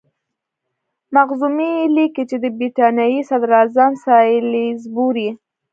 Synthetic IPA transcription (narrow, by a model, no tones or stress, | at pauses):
maɣzumiliket͡ʃed̪əbɾiʈɑnjɑjisad̪ɾazamsɑlizbuɾi